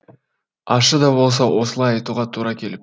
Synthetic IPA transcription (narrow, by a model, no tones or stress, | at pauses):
ɑʃəd̪ɑbo̞lˠs̬ɑwo̞səlˠɑjɑjt̪uʁɑt̪ʰuɾɑkʲʰe̞lɪp